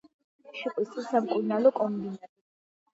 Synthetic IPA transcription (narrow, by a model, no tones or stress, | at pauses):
ʃiqʼwist̪ʼisamkʼuɾnalɔkʼɔmdi